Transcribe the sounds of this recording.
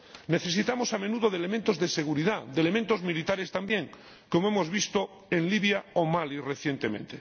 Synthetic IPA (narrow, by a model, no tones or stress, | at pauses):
ne̞θe̞sit̪amosame̞nuð̞oðele̞ment̪o̞zðe̞se̞ɣ̞uɾiðaðelemẽnt̪ozmilit̪aɾe̞st̪ambje̞ŋ | ko̞moemo̞zβist̪o | e̞nliβjaomalireθje̞nt̪e̞mẽnt̪e